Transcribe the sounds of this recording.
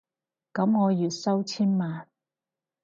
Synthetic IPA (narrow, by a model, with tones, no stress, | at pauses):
kɐ˨˥mŋɔː˨˧jyː˨t̚sɐ˥wt͡sʰiː˥nmaː˨n